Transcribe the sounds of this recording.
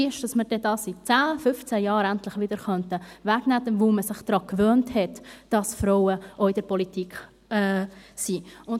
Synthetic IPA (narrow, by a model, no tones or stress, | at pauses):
ɪʃd̥ɑsməɾd̥ɛdɑːsit͡sæːfʏft͡sæjɑːɾæntlɪχʋɪd̥̪əɾχœntəʋæɡ̥næːd̪ənʋoməsɪχd̪̥ɾɑːkʋøːnthɛtd̥ɑsfɾɔʊəʔoɪd̥əɾpɔlitikχ | ɛsiʊn